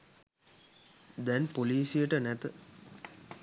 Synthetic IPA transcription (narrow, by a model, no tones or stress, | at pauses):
d̪ænpoliːsijəʈənæt̪ə